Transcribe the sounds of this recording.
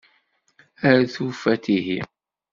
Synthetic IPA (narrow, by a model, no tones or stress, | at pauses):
əɾθufæt̪iɦi